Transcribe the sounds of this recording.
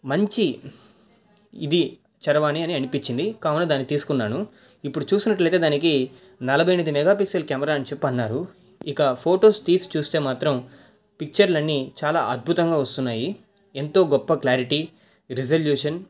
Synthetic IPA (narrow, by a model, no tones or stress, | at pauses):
mɐɲt͡ʃi | id̪i | t͡ʃɐɾɐʋaːniɐniɐnipiɲt͡ʃːind̪ikaːwunɐd̪aːnːit̪iːsu̥kunːaːnu | ipːuɽut͡ʃuːsinɐʈlɐjt̪e̞ːd̪aːniki | nɐlɐbʱɐjnid̪imɛɡaːpiksɐlkjaːmɐɾaːɐnit͡ʃɛpːɐnːaːɾu | ikɐpʰo̞ːʈoːsʈiːst͡ʃuːst̪e̞ːmaːt̪ɾɐm | pik̚t͡ʃɐɾlɐnːit͡ʃaːlaːʔɐd̪̚bʱut̪ɐŋɡaːʋɐst̪unːaːji | ent̪o̞ːɡɔpːɐklaːɾiʈi | ɾizɐljuːʂɐn